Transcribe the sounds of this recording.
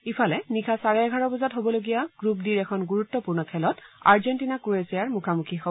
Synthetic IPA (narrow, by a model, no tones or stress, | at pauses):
ipʰalɛnikʰasaɹɛɛɡʱaɹɔbɔzatɦobɔloɡijaɡ̥ɹupdiɹɛkʰɔnɡuɹutːɔpuɹnɔkʰɛlɔta̰ɹzɛntinakuesijaɹmukʰamukʰixɔ